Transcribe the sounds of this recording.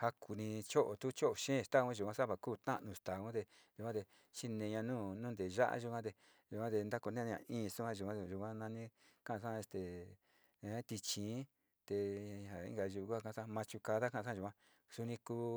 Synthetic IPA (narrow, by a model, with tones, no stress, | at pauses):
ha˧kʰu˧nĩ˧t͡ʃo˦ʔo˨t̪u˦t͡ʃo˦ʔo˨ʃẽː˦˨t̪a˦˧ũ˦ʒu˨kʷã˧˦sa˦βa˧kuː˦˧˨t̪ã̰˦ʔnũ˧st̪a˨ũ˦t̪e˧ | ʒu˨kʷã˦t̪e˧ | t͡ʃi˦nẽ˧ɲã˧nũː˦˨nũ˦nd̪e˨ʒa̰˦ʔa̰˦ʒu˧kʷã˦t̪e˧ | ʒu˨kʷã˦t̪e˧nd̪a˦ko˧nẽ˦˧ã̰˧ĩː˦˧su˦ã˧˦ʒu˧˨˧ã˦˧˨ʒu˧˨kʷã˦nã˧nĩ˦kã˦ʔsã˦˧e˧st̪e˨ | ẽ˦t̪i˧t͡ʃĩː˨˦ | t̪e˧ha˨ḭ˦ŋɡa˧ʒu˧u˧ku˦a˧kã˧sã˦˧mã˧t͡ʃu˧ka˧ða˦kã˦˧ã˦˧ʒu˨kʷã˦ | su˧nĩ˧kuː˦˧